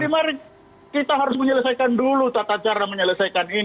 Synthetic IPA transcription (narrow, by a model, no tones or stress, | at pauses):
dimaɾi | kit̪aɦaɾʊs̬məɲələsajkandulut̪at̪at͡ʃaɾaməɲələsajkani